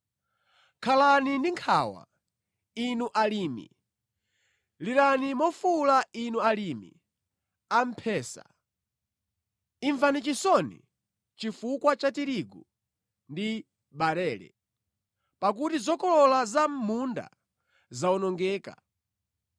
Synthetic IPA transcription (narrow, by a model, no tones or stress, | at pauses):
kʰalanindiŋkʰawa̰ | inuʔalimḭ | liɾanimɔfulainualimḭ | am̩pʰɛːsa̰ | iɱvanit͡ʃisɔnḭ | t͡ʃifukwat͡ʃatiɾiɡu | ndi | ɓaɾɛːlɛ̰ | pak̬utizɔkɔlɔlazam̩munda̰ | zaɔnɔŋɡɛːka̰